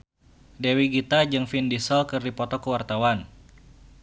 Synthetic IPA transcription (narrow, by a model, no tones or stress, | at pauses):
dɛwiɡit̪ad͡ʒɨŋfindisɔlkɨrdipɔt̪ɔkəwart̪awan